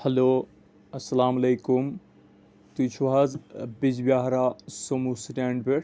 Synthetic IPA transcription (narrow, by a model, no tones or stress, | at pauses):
hɐloː | ɐsɐlaːmɐlejkum | t̪ut͡ʃʰuʋɦazbid͡ʒbjaːɦɾaːsomusʈʲaːɳɖbeʈ